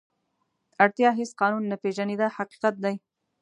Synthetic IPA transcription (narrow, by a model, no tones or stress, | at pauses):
aɽt̪jɑɦɪsqɑnunːapeʒaned̪ahaqi̥qat̪̚d̪aj